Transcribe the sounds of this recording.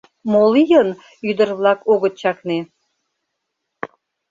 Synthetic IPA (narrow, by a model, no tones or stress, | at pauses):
molijən | yd̪ə̆rβlɑkoɣət̪̚t͡ɕɑkne